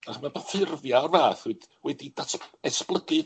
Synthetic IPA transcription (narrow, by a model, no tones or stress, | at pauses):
aχmabafɪrvjarvaːθuɨd̥wɛdidatʰɛsplˠəɡɨ